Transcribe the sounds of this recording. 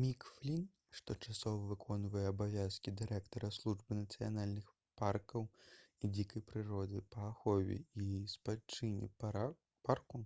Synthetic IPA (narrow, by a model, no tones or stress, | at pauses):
mʲikflʲin | ʂt̪ɔt͡ʂasɔvɐvɨkʰɔnvɐjɛːbavʲaskʲid̪ɨɾɛkt̪ɐɾɐslˠuʐbɨnɐt̪sɨja̰nalʲnɨx | parkɐwid͡zʲikɐjpɾɨɾɔd̪ɨpɐːxɔvʲɛ̰ispat͡ʂɨnʲḭ | parku